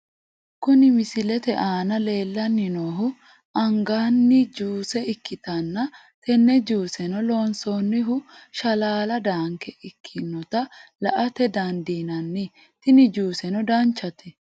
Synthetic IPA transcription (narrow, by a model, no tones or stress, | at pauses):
kʊnɪmɪsɪlɛt̪ɛʔaːnɐle̞ːlːɐnːɪnoːɦʊ | ɐŋɡaːnːɪd͡ʒuːsɛɪkːɪt̪ɐnːɐ | t̪ɛnːɛd͡ʒuːsɛnɔlo̞ːnsoːnːɪɦʊʃɐlaːlɐd̪aːŋkɛʔɪkʰːɪnːɔt̪ɐlɐʔɐt̪ɛd̪ɐnd̪iːnɐnːɪ | t̪ɪnɪd͡ʒuːsɛnɔd̪aːnt͡ʃːɐt̪ɛ